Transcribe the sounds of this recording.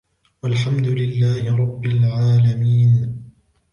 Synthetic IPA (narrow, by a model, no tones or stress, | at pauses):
walħamd̪ʊlɪlːaːhɪɾˤɑbːɪlʕaːlamiːn